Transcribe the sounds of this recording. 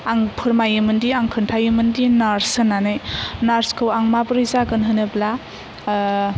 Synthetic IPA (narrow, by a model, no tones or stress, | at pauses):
aŋpʰɯɾmajɯmɯndiaŋkʰɯntʰajɯmɯndinaɾsɯnːanɯjnaɾskʰɯwaŋmabɯɾɯzaɡɯnɦɯnɯbla